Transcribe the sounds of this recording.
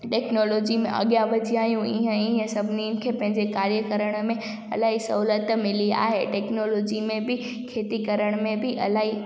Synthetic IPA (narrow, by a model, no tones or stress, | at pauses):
ʈɛːknoːloːd͡ʑimḛ̃ʔɐ̰ɠjaʋɐd͡ʑiaːɦijũɪ̰ɦə̃ɪɦə̃sɐbʱɪninɪ̆kʰeːpɐ̃ɦɪ̃ɲd͡ʑekaːɾjəkəɾəɽ̃mẽ | ɐlaːɦisɐɦuːlət̪mɪlia̰ːɦeʈɛːknoːloːd͡ʑimẽbɪ | kʰeːt̪ikɐɾəɽ̃mẽbɪʔɐ̰laːɦi